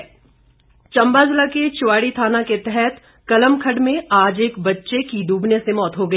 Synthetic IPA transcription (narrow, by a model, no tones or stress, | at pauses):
t͡ʃɐ̃mbaːd͡ʒlaket͡ʃʊwaːɽit̪ʰaːnaket̪ɛɦɛt̪ | kɐləmkʰəɖmẽaːd͡ʒeːkbɐtːʃekid̪uːbnesemɔːt̪ɦoɡɐeː